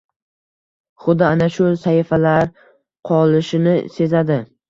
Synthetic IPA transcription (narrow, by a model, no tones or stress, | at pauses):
χʊd̪ɪanaʃʊsaɪfalaɾ | qʰɒlˠɪʃɪnɪ̰se̞zad̪ɪ